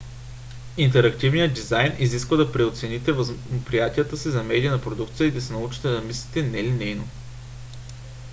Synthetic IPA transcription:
int̪ɛɾɐkt̪ivnijət̪d̪izajniziskvəd̪ɐpɾɛot̪sɛnit̪ɛvəzpɾijat̪ijət̪əsizɐmɛd̪ʲiənɐpɾod̪ukt̪sijəid̪ɐsɛnɐut͡ʃi̥t̪ɛd̪ɐmisli̥t̪ɛnɛlinɛjno

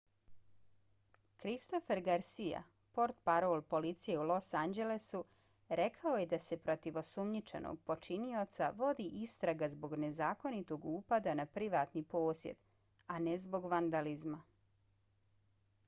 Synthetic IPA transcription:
kɾist̪o̞feɾɡaɾsija̰ | po̞ɾt̪paɾolˠpo̞lit̪sijeulo̞sand͡ʑe̞lesu | ɾe̞kʰao̞jed̪ase̞pɾo̞t̪iʋo̞sumɲit͡ʃe̞̰nʔo̰ɡ̚po̞t͡ʃinio̞t̪sa̰ʋo̞d̪iʔist̪ɾaɡazbo̞ɡne̞zaːko̞nit̪o̞ɡuːpad̪anapɾiʋaːt̪nipo̞ːsjḛd̪̥ | anezbo̞ɡʋand̪alizma

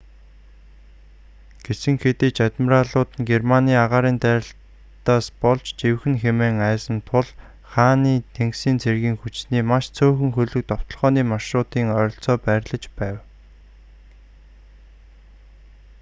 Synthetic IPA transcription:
ɡ̥esɘ̆ŋxet̪eːt͡ɕat̪mə̆raɮʊːt̪ə̆nɡermaniːaʁaːɾiːnt̪æːɾʲə̆ɬ | t̪aːspɔɮt͡ɕt͡ɕewxɘ̆nxemeːŋæːsə̆nt̪ʰʊɮ | χaːniːt̪ʰeŋksiːnt͡sʰerɣiːŋxut͡ɕsniːmaʃt͡sʰɵːxɵ̆ŋxɵɮɵ̆k̚t̪ɔw̥t̪ɞ̆ɮʁɔːniːmaʃrʊːt̪iːŋœːɾɞ̆ɬt͡sɔːpæːɾʲɮə̆t͡ɕpæːw

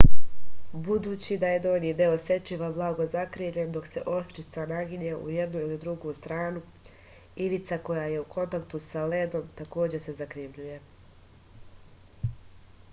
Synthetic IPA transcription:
bud̪uːt͡ɕid̪aje̞d̪o̞ːniːd̪eose̞t͡ɕiʋablˠaːɡo̞zakɾiːʋʎe̞nd̪o̞kse̞ʔo̞ʃt̪it̪sanaɡiɲeʔṵjed̪nuilid̪ɾuɡuːst̪ɾaːnu | iʋit̪sako̞jaːje̞ukʰo̞nt̪akt̪usaled̪o̞mt̪ako̞ːd͡ʑe̞se̞zakɾiʋʎuje̞

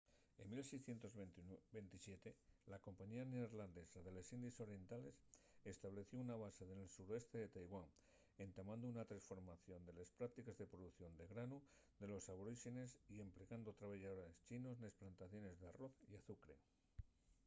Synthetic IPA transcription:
e̞mːilsejsθje̞nt̪o̞zbe̞nt̪isje̞t̪elako̞mpaɲianeoɾland̪e̞saðe̞lesind̪iso̞ɾje̞nt̪ale̞sest̪aβ̞le̞θjo̞unaβ̞ase̞ðe̞lsuɾoe̞st̪e̞ðe̞t̪ajɣwaŋ | e̞nt̪amãnd̪ounat̪ɾasfo̞ɾmaθjo̞nd̪e̞lespɾak̚t̪ikezðe̞pɾoðuθjo̞nd̪e̞ɣɾanu | d̪e̞lo̞saβoɾiʃene̞sie̞mpleɣand̪ot̪ɾaβeʝaðoɾest͡ʃino̞znesplant̪aθjo̞ne̞zðearo̞θiaθukɾe̞̰

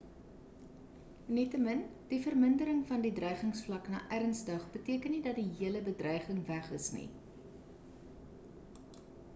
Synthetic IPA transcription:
nitəmən | d̥ifərməndəɾəŋfɐndidrœjχəŋsflɐknɑ̰ːʔærənsdɐχbətiəkənːidɐt̚diɦiələbədrœjχəŋvæχəsnḭ

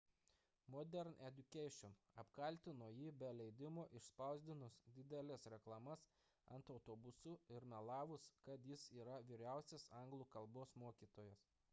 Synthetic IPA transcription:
mɔːd̪ʲɛɾnɛd̪ʲʊkʲɛɪʃʲɔnɐpkɐlʲt̪ʲɪnoːjiːbʲɛlʲɛɪd̪ʲɪmoːʔɪʃspɐˑʊzʲd̪ʲɪnʊsd̪ʲɪd̪ʲɛlʲɛsɾʲɛklˠɐmɐs | ɐnt̪ɒʊt̪oːbʊsʊɪɾmʲɛlˠɑːʋʊskɐt̪jɪsiːɾɐʋʲiːɾʲæˑʊsʲesɐˑŋɡlˠuːkɐlˠboːsmoːkʲiːt̪oːjɛs

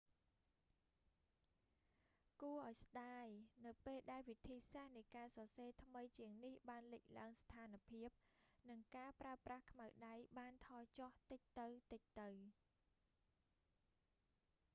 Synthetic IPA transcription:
kuəʔaɔjsɗaːjnɨwpeːlɗaɛlʋit̪ʰiːsahnɨjkaːsɑseːt̪ʰməjt͡ɕiəŋnihɓaːnlic̚laəŋst̪ʰaːnpʰiəp̚nɨŋkaːpraəprahkʰmawɗajɓaːnt̪ʰɑːt͡ɕɑht̪ɨc̚t̪ɨwt̪ɨc̚t̪ɨw

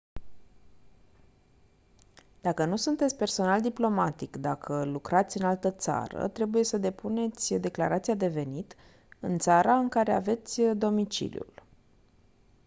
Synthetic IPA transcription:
d̪̥akənusunt̪et̪sʲpe̞rso̞nald̪iplo̞mat̪ikd̪akʰəlukɾat̪sʲɨnalt̪ət̪sa̰ɾə̰t̪ɾe̞buje̞səd̪e̞pune̞t̪sʲd̪e̞klaɾat̪sijad̪e̞ve̞nit̪ | ɨnt̪saɾaɨŋkaɾe̞a̰ve̞t̪sʲd̪o̞mit͡ʃḭlḭjṵl

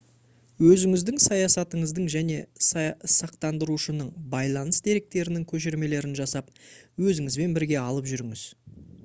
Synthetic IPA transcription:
wɵzɪŋɪzd̪ɪŋsɑjɑsɑt̪əɴəzd̪əɴʒæne̞ssɑqt̪ɑnd̪əɾuʃənəɴbɑjlˠɑnəsd̪e̞ɾe̞k̚t̪e̞ɾɪnɪŋkʲʰɵʃ̬eɾme̞le̞ɾɪnʒɑsɑp̚wɵzɪŋɪzbe̞nbɪɾɡʲe̞ɑlˠəpʒʏɾɪŋɪz̥

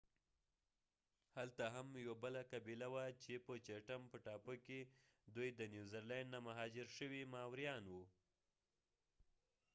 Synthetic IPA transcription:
halt̪aɦamjwabəlakabilawat͡ʃepət͡ʃaʈampəʈɑpoke | d̪ujd̪ənjuzəɾlɛɳɖnamaɦɑd͡ʒɪɾʃəwimɑwɾjɑnwu

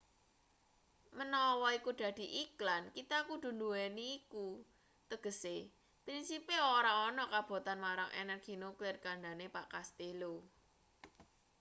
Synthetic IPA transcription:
mənɔwɔikud̪̥ä̤d̪̥i̤ʔiklankit̪akud̪̥ṳnd̪uwɛniːku | t̪əɡ̥ə̤se | pɾinsipeoɾaɔnɔkab̥o̤t̪anmaɾaŋʔɛ̰nərɡ̥i̤nuklɪrkaɳɖanepaʔkast̪elo

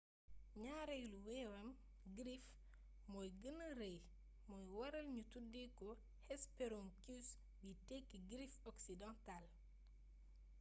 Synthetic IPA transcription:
ɲaːɾɛjluwɛwɐm | ɡɾif | mɔjɡənɐrej | mɔːjwɐɾɐlɲutudːikɔ | hɛspɛɾoŋkus | bitɛkːiɡɾifɔksidɔ̃ntal

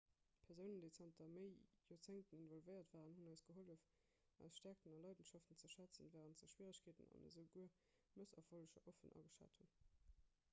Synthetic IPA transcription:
pʰɛɐʁzəʊnəndəɪt͡sɑntɐməɪjot͡seɪntəninvɔlvəɪɐtv̥aːʁənhunɑɪsɡ̥əɦoləf | ʔɑ̰ɪsʃtæɐk̚tənɑlɑɪdənʃɑftənt͡səʃæt͡sənvæːʁəntzəʃwiːʁəɕkʰeːtənɑ̰nə̰zəʊɡuə | məsɑfoləʃɐʔofənʔɑ̰ɡəʃa̰ːthun

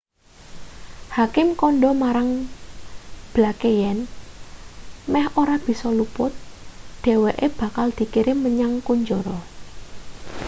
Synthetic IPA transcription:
hakɪmkɔnɖɔmaɾaŋ | b̥lakejɛn | mɛhoɾab̥i̤sɔlupʊt̪̚d̪̥e̤weʔeb̥a̤kald̪̥i̤kiɾɪməɲaŋkuɲd͡ʒɔɾɔ

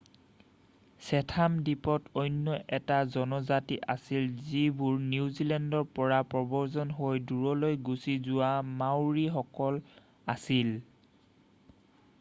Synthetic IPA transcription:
sɛtʰamdipɔtojnːɔʔɛtazɔnɔzatiʔasilzibuɹnuwzilɛndɔɹpɔɹapɹɔbɔɹzɔnɦojduɹɔlojɡusizʊwamawɹixɔkɔl | asil

